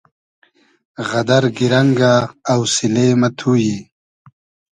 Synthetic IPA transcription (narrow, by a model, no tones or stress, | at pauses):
ɣɐd̪ɐɾɡiɾɐŋɡaːwsileːmɐt̪ʰuːji